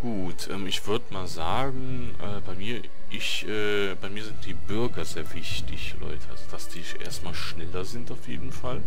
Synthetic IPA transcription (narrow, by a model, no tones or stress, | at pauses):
ɡ̥uːtʔɛ̰ːmɪçv̥ʏɐdəmaːlzaːɡŋ̩ | ʔɛːbaɪmiːɐ | ʔɪçʔɛː | b̥aɪmiːɐzɪnt̚d̥iːbʏɐɡɐzeːɐvɪçtɪçlɔ̰ʏtʰəa̰zod̥asd̥iːʔḛːɐstmaːlʃnɛlɐzɪntaʊfjeːdn̩fal